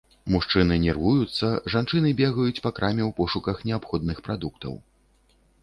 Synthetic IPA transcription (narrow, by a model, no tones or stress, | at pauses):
muʂt͡ʂɨnɨnʲɛrvujut̪sːɐʐant͡ʂɨnɨbʲɛɣɐjut͡sʲpakɾamʲɛwpɔʂukɐxnʲɛapxɔd̪nɨxpɾad̪uk̚t̪ɐ̰w